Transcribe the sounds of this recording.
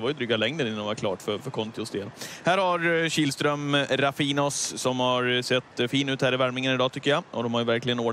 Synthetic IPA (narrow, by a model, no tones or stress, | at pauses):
ɛvaɾjɵd̪ɾʏːɡalɛŋd̪ənɪnːnːd̪vaɾkʰlɑ̰ːʈfœɾfœɾkʰɔnt̪ɪʊsd̪eːlhæːɾhaɾɕiːlst̪ɾœmɾafiːnɔsːɔmhaɾsɛt̪ːfiːnʉːt̪hæːɾɪvæɾmɪŋənɪd̪ɑːt̪ʰʏkːəjaʔɔd̪ɔmhaɾjɵvæɾklɪɡənoːɖ